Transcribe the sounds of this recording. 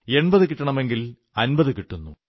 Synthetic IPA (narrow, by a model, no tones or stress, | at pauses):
e̞ɳbɐðɨkiʈːɐɳɐme̞ŋɡil | ɐnbɐðɨkiʈːunːu